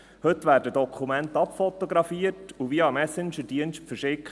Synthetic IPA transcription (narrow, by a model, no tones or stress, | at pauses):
hɵt̪ʋæːɾdədɔkʰumæntɑpfɔtoɡɾɑfiətuʋiəɑmɛsɪnʃədiənstfəɾʃɪkχ